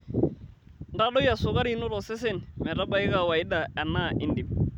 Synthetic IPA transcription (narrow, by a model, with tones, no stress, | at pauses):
nda˦ɗɔ˦ja˨sʊ˨ka˦ɾi˨no˦ɾɔ˨sɛ˦s̬ɛ˦nmɛ˨ɾa˦ba˨˦ɪ˦ɣa˨wa˨ɪ˦da˨ɛ˨na˦˨ʔɪ˨ndi˨m